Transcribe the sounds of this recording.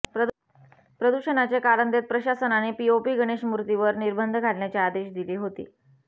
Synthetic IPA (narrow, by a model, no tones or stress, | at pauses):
p | pɾəd̪uɕənat͡ɕekaɾənd̪et̪̚pɾəɕasənanepiopiːɡəɽ̃eɕmuɾt̪iʋəɾniɾbənd̪ʱɡʱaʈɳjat͡ɕead̪eɕd̪iliːɦot̪ḭː